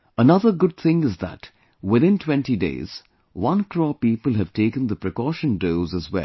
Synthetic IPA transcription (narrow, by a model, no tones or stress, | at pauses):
ənʌðəɡʊd̪̚θɪ̃ŋɪzðə̰t | wɪðɪ̃ntʰwɛ̃ntidḛɪz̥ | wʌ̃nkʰɹɔːpiːpəlˠɦɨv̥teɪkə̃nd̪əpɹɨkɔːʃə̃ndoʊzəzwɛ̰l